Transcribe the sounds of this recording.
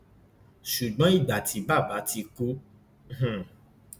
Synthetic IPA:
ʃu˨ɡ͡bã˨˦i˦˨da˨ti˨˦ba˦˨ba˨˦ti˧ku˦ | h̩˨

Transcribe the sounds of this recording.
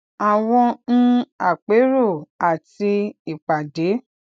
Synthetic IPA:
a˨w̃ɔ̃˧n̩˦a˨k͡pe˨˦ɾo˦˨a˨ti˧i˨k͡pa˨de˨˦

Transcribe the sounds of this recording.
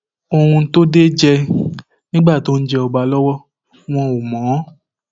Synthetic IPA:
o˧hũ˧˦to˦de˦d͡ʒɛ˧ | nĩ˦ɡ͡ba˦˨to˦n̩˦d͡ʒɛ˧ɔ˧ɡ͡ba˧˦lɔ˦wɔ˦ | w̃ɔ̃˧o˨mɔ̃˨˦

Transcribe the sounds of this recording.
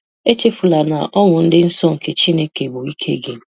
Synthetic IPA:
e˦t͡ʃe˦fu˨la˨na˨ʔɔ˦ŋʊ˨n̩˦dɪ˦n̩˦sɔ˦ŋ̩˨ke˨t͡ʃi˦ne˦ke˨bʊ˨i˦kʰḛ˦ɡɪ˨

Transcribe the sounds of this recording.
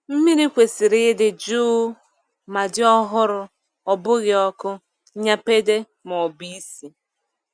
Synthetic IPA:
m̩˦mi˦ɾi˦kʷe˨si˨ɾɪ˦dɪ˨d͡ʒu˦ | ma˨dɪ˦ɔ˦ɦʊ˦ɾʊ˨ | ɔ˨bʊ˦ɣɪ˨ɔ˦kʊ˦ | ɲa˦pe˦de˦ | m˨ɔ˨bi˦si˨

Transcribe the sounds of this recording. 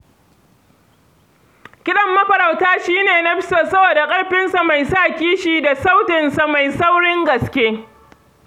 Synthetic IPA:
kʲɪ˦ɗɐ˦˨mːɐ˦ɸɐ˨ɾa˨wtaː˦ʃiː˦neː˨nɐ˦ɸɪ˦soː˨sɐ˦boː˨da˨kʼɐ˦ɽɸɪ˦nsa˨ma˨jsaː˦˨kʲiː˦ʃiː˨da˨sa˦wtɪ˨nsa˨ma˨jsa˦wɽɪ˦ŋɡɐ˨skʲeː˦

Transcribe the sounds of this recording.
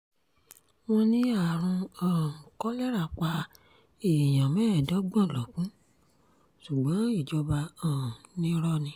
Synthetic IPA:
w̃ɔ̃˧nĩ˦a˦˨ɾ̃ũ˧ɔ̃˨kɔ˦lɛ˦ɾa˦˨k͡pa˧ | e˨j̃ã˨mɛ̃˦˨dɔ˨˦ɡ͡bɔ̃˦˨lɔ˨kũ˨˦ | ʃu˨ɡ͡bɔ̃˨˦i˦˨d͡ʒɔ˧ba˧ɔ̃˨nĩ˧˦ɾɔ˦nĩ˧

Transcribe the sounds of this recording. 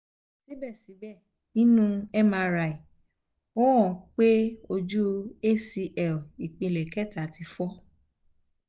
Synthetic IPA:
si˨˦bɛ˦˨si˨˦bɛ˦˨ | nĩ˦nũ˦ɛ˦mã˧ɾa˧˨i˨ | ɔ˦ɔ̃˨k͡pe˦o˧d͡ʒu˦e˦si˧ʔɛ˨ɔ˨i˨k͡pĩ˧˨lɛ˨kɛ˦˨ta˨ti˧fɔ˦

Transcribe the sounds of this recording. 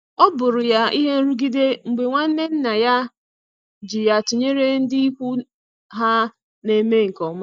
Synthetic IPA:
ɔ˦bʊ˨ɾʊ˨ja˦i˦ɦe˦n̩˦ɾu˦ɡi˦de˦ŋ͡m̩˨ɡ͡be˨ŋʷa˦n̩˦ne˦n̩˦na˨ja˦ | d͡ʒi˨ja˨tu˨ɲe˦ɾe˦n̩˦dɪ˦i˦kʷu˦ | ɦa˦ | ne˨me˦ŋ̩˨kɔ˨˦ma˦

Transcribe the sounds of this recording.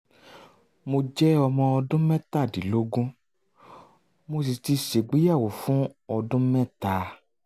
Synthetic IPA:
mo˧d͡ʒɛ˦ɔ˧mɔ̃˧ɔ˧dũ˦mɛ̃˦ta˦˨di˨lo˦ɡũ˦ | mo˧s̬i˨ti˧ʃe˨ɡ͡bi˨˦ja˦˨wo˨fũ˨˦ɔ˧dũ˦mɛ̃˦˨ta˧

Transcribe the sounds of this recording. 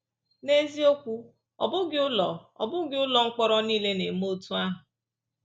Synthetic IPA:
ne˦zi˦o˦kʷu˦ | ɔ̰˨bʊ˦ɡɪ˨˦ʊ˦lɔ˨ɔ̰˨bʊ˦ɡɪ˦ʊ˦lɔ˨ŋ̩˦k͡pɔ˦ɾɔ˦niː˦le˦ne˨mo˦˨tu˦a˦ɦʊ˨

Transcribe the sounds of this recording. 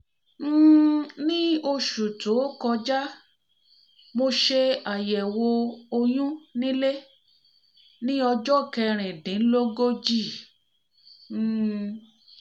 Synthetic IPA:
nĩ˦o˧ʃu˨to˨˦kɔ˧d͡ʒa˦ | mo˧ʃe˧a˨jɛ˨wo˧o˧jũ˦nĩ˦le˦ | nĩ˦ɔ˧d͡ʒɔ˦˨kɛ˧ɾ̃ĩ˨dĩ˨˦lo˦ɡo˦d͡ʒi˦˨˦

